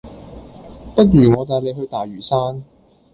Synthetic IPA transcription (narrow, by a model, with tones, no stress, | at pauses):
pɐ˥t̚ɥyː˨˩ŋɔː˨˧t̪̬aː˨˧jle˨˧jɦɵ˧ɥt̪aː˨jɥyː˨˩saː˥n